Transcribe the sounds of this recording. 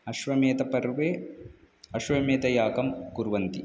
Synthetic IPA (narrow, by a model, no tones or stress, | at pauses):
ɐʃʋɐmeːt̪ɐpɐɾʋeː | ɐʃʋɐmeːt̪ɐjaːkɐmkuɾʋɐnt̪i